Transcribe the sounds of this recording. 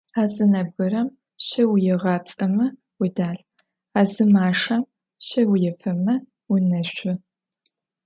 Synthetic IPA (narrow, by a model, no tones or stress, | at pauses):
aːzɨnɐbɣɨɾɐm | ɕɐwjɪʁɐt͡sʼɐmɐ | widaːɬ | aːzɨmaːʂɐm | ɕɐwʊjɛfʰɐmɐ | wʊnɐɕʷʊ